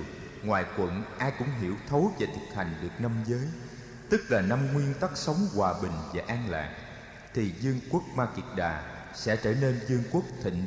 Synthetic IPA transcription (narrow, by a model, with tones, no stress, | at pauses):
ŋwaː˨˩jkwə̰˧˥˨nʔaː˧jkʊ̰˧˥ŋ͡mɦḭ˧˩əwt̪ʰo˨˦veː˨˩t̪ʰɨ˨˩k̚ha˨˩jŋ̟ɗɨ˨˩ək̚na˧mzəː˨˦j | t̪ɨ˦˥k̚laː˨˩na˧mŋwi˧ənt̪a˦˥k̚sə˨˦wŋ͡mkwaː˨˩ɓï˨˩ŋ̟vaː˨˩ʔaː˧ŋla̰ː˨˩ŋ̚ | t̪ʰi˨˩zɨ˧əŋku˦˥ək̚maː˧ki˨˥k̚ɗaː˨˩ | sɛ̰˧˥t͡ɕəː˧˩ne˧nzɨ˧əŋku˦˥ək̚t̪ʰḭ˧˨ŋ̟